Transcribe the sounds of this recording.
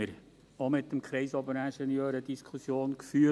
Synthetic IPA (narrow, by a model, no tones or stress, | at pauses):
əɾ | omɪt̪ːəmkχɾɛɪsɔbəɾæʃɛnjøːɾəd̪iskʰχusjoːnkfyː